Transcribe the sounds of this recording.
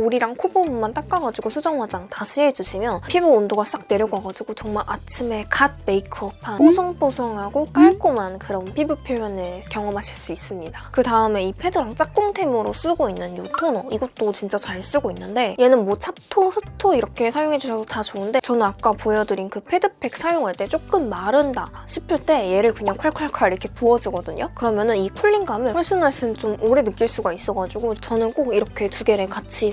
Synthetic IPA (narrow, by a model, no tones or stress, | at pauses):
oɾiɾaŋkʰubommant͈ak̚k͈aɡad͡ʑiɡosʰud͡ʑʌŋwad͡ʑaŋtaɕʰiɦe̞d͡ʑuɕʰimjʌpʰibɯondoɡaak̚ne̞ɾjʌɡ͈ʌɡad͡ʑiɡot͡ɕʌŋmaɭʔat͡ɕʰime̞kat̚peikʰpʰaosʰʌŋpʰosʰʌŋɦaɡok͈aɭk͈omankɯɾʌnpʰibɯpʰjojʌnɯɭkjʌŋʌmɦaɕʰiɭs͈uis͈ɯmɲidakɯtaɯme̞ipʰe̞dɯɾaŋt͡ɕ͈ak̚t͈oŋtʰe̞mɯɾos͈ɯɡoinːɯnjotʰonʌiɡʌt͈ot͡ɕint͡ɕ͈at͡ɕaɭs͈ɯɡoinːɯnde̞je̞nɯnmwʌt͡ɕʰap̚tʰosʰɯtʰoiɾʌkʰe̞sʰajoŋɦe̞d͡ʑuɕʰʌsʰʌtat͡ɕoɯnde̞t͡ɕʌnɯnak͈apojʌdɯɾinkɯpʰe̞dɯpʰe̞k̚s͈ʰajoŋaɭt͈e̞t͡ɕ͈ok͈ɯnmaɾɯnda̰ | ɕʰipʰɯɭt͈e̞je̞ɾɯɭkuɲaŋkʰaɭkʰaɭkʰaɾiɾʌkʰe̞puʌd͡ʑiɡʌdɯɲokɯɾʌmjʌnɯnikʰuʎːinɡamewʌɭɕ͈inmaɭɕ͈ɯnt͡ɕomoɾe̞nɯk͈iɭs͈uɡais͈ʌɡad͡ʑuɡot͡ɕʌnɯnk͈oɡiɾʌkʰe̞tuɡe̞ɾekat͡ɕʰi